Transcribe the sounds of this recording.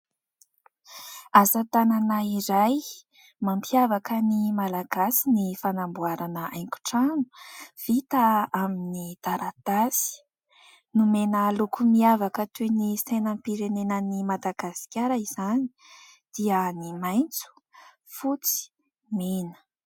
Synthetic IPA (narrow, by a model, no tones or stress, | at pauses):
azat̪ananaiɾaj | mampʰiavakənimalaɡasinifanambuaɾanəʔa̰jŋku̥ʈ͡ʂanu̥v̥it̪aaminid̪̥aɾʔat̪asi̥ | numenəlukumiavakət̪unisejnəmpiɾenenənimad̪aɡasi̥kʲaɾəiz̥ani̥ | d̪̥iənimajnt͡su̥ | fut͡si̥ | menə̥